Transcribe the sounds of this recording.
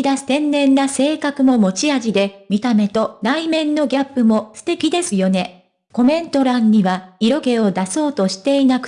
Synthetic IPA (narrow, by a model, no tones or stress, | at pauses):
id̪asɨ̥t̪ẽ̞nːẽ̞nːase̞ːkakɯ̟mo̞mo̞t͡ɕiaʑid̪e̞mʲit̪ame̞t̪o̞naimẽ̞nːo̞ɡʲapːɯ̟mo̞sɨ̥t̪e̞kʲid̪e̞sɨjo̞ne̞ | ko̞mẽ̞nt̪o̞ɾãɲ̟ːiβaiɾo̞ɡe̞o̞d̪aso̞ːt̪o̞ɕi̥t̪e̞inakɯ̟̥